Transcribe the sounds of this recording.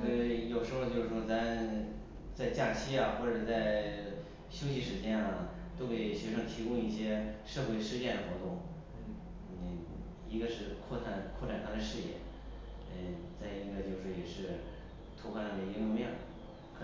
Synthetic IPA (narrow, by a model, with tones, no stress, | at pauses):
jo˨˩ʊʂɻ̩˧˥xo˧t͡ɕjo˥˧ʊʂɻ̩˥˩ʂɔ˥˩t͡sa˧˥mə˧ | t͡sa˥˧ɪt͡ɕja˥˩t͡ɕʰi˥ɐ˨xwɔ˥˩ʈ͡ʂɤ˨˩t͡sa˥˩ɪ | ɕjo˥ʊɕi˧˥ʂɻ̩˥t͡ɕjɛ˥nɐ˩ | t̪o˥ʊke˨˩ɪɕɥɛ˧˥ʂɤ˧˥˩ŋt̪ʰi˧˥kʊ˥ŋi˥˩ɕjɛ˥ʂɤ˥˧xwe˥˧ɪʂɻ̩˥˧t͡ɕjɛ˥˩nd̪ə˩xwɔ˧˥t̪ʊ˥˩ŋ˧˩ | i˧˥ɡə˧ʂɻ̩˥˧kʰwɔ˥˩t̪ʰa˧˥nkʰwɔ˥˩ʈ͡ʂʰa˨˩nt̪ʰd̪ə˧ʂɻ̩˥˧jɛ̰˥˩˧ | t͡sa˥˩ɪi˧˥ɡə˧t͡ɕjo˥˧ʊʂɻ̩˥˩jɛ˨˩ʂɻ̩˥˩ | t̪ʰu˧˥pʰa˥nɑ˧˩d̪ə˩i˧˥lwɔ˥˧mjɛ˥˩n | kʰ